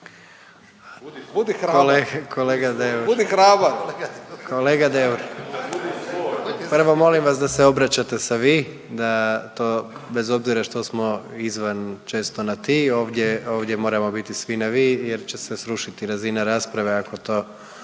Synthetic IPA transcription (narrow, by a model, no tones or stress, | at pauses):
d̪kolekʰo̞leːɡad̪euud̪iɾaːba | koleːɡad̪euɾ | pr̩ʋo̞mo̞limʋasd̪aseo̞bɾat͡ɕat̪e̞saʋi | d̪at̪oːbe̞zo̞bziɾaʃt̪osmo̞izʋant͡ʃe̞ːst̪o̞nat̪io̞ːʋd̪jeoːʋd̪je̞mo̞ːɾamo̞bit̪isʋinaʋijeɾt͡ɕe̞sesɾuʃit̪iɾazinaɾaspɾaʋeako̞t̪o̞ː